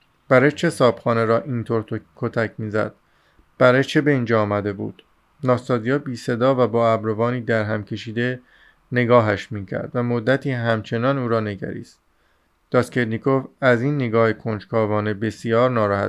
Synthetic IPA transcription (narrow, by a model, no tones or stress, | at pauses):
b̥æɾæt͡ʃʰe̞sɒːb̥xɒːneɾɒːʔiːnt̪ʰoɾt̪ʰokʰot̪ʰæcʰmiːzæ̰d̪̥̚ | b̥æɾæt͡ʃʰe̞be̞iːnd͡ʒɒːmæd̪e̞bṵːd̪̥ | nɒːsɒːzijɒːbiːse̞d̪ɒːvæbɒːæbɾovɒːniːd̪æɾɦæmcʰe̞ʃiːd̪e̞ | ne̞ɡɒːɦæʃmiːcʰæ̰ɾd̪̥væmod̪ːæt̪ʰiːɦæmt͡ʃʰe̞nɒːnuːɾɒːne̞ɟæ̰ɾḭːst̪ | d̪̥ɒːskʰeɾnikʰovæziːnːeɡɒːhekʰond͡ʒkʰɒːvɒːne̞be̞sijɒːɾnɒːɾɒhæ̰